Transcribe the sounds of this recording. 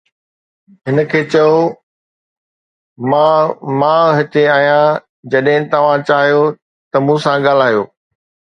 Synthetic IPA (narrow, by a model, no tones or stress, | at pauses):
ɦɪnə̆kʰeːt͡ɕɐjo | mãmãːɦɪt̪eaːɦijã | d͡ʑɐɗɦɪ̃t̪ɐʋ̤ãt͡ɕaːɦijo | t̪ɐmũːsãɠaːl̤aːijoː